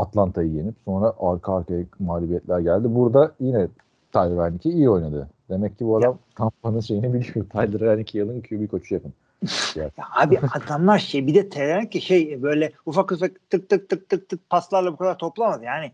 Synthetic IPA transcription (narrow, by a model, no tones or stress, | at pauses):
at̪lˠant̪ʰajɯje̞nipso̞nɾaʔaɾkʰaaɾkajɛmaːlʲibijɛt̪ʲlʲæɾɟælʲd̪ibuɾd̪ajinɛ | t̪ʰajˠɯvænlʲːicʰiijo̞jnad̪ɯd̪e̞mɛcʰːibuad̪amkʰapanɯnʃe̞jinɛbilʲimijot̪ʰajlˠɯɾaɾanicʰijɯlˠɯnicʰyjubikʰot͡ʃʰujapʰɯn | ijaahaːbiat̪amlˠaɾʃejbid̪ɛt̪ʰeænʲicːiʃejbø̞jlʲɛufakufakt̪ʰɯk̚t̪ʰɯk̚t̪ʰːɯk̚t̪ʰɯk̚t̪ʰːɯk̚pʰaslˠaɾlˠabukʰad̪aɾt̪ʰo̞plˠamad̪ɯjaːnɪ